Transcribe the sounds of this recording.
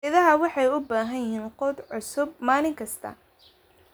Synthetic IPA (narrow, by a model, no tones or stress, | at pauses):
ɪðɐɦɐwɑħɑjʊbaːɦɐjɦiːnqɔd̪ʕʊsʊb̚maːlɪŋkʰɐst̪ʰɐ̰